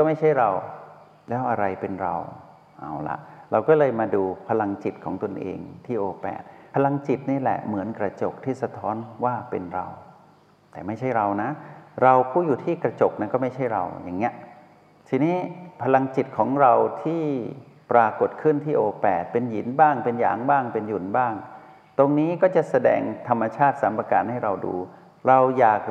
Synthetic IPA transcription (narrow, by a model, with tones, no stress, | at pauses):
kɔː˥˩ma˥˩jt͡ɕʰa˥˩jɾa˧w | lɛː˦˥wʔa˧ɾa˧jpe˧nɾa̰˧w | ʔa˨˩wla̰˨˩ʔɾa˧wkɔː˥˩lɤː˧jmaː˧duː˧pʰa˧la˧ŋt͡ɕi˨˩t̪̚kʰɔː˩˦ŋt̪o˧nʔḛː˧ŋt̪ʰiː˥˩ʔoː˧pɛ̰ː˨˩t̪̚pʰa˧la˧ŋt͡ɕi˨˩t̪̚niː˥˩lɛ̰˨˩ʔmɯ˩˦ənkɾa˧t͡ɕo˨˩k̚t̪ʰiː˥˩sa˧t̪ʰɔː˦˥nwaː˥˩pe˧nɾa̰˧w | t̪ɛː˨˩ma˥˩jt͡ɕʰa˥˩jɾa˧wna˦˥ɾa˧wkʰuː˥˩juː˨˩t̪ʰiː˥˩kɾa˧t͡ɕo˨˩k̚na˧˥˩nkɔː˥˩ma˥˩jt͡ɕʰa˥˩jɾa̰˧wjaː˨˩ŋːi˦˥ɐʔ | t̪ʰiː˧niː˦˥pʰa˧la˧ŋt͡ɕi˨˩t̪̚kʰɔː˩˦ŋɾa˧wt̪ʰiː˥˩pɾaː˧ko˨˩t̪̚kʰɯ˥˩nt̪ʰiː˥˩ʔoː˧pɛː˨˩t̪̚pe˧nji˨˩˦nbaː˥˩ŋpe˧nja̰ː˨˦ŋbaː˥˩ŋpe˧nju˨˩˦nbaː˥˩ŋ | t̪o˧ŋniː˦˥kɔː˥˩t͡ɕa˨˩ʔsa˧dɛ̰ː˧ŋt̪ʰa˧mːa˧t͡ɕʰaː˥˩t̪̚saː˩˦mpa˧ka̰ː˧nha˥˩jɾa˧wdṵː˧ | ɾa˧wjaː˨˩k̚